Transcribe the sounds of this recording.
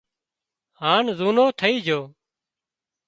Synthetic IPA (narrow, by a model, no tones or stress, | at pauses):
ɦaːnzuːnoːt̪ʰəiːd͡ʒʱoː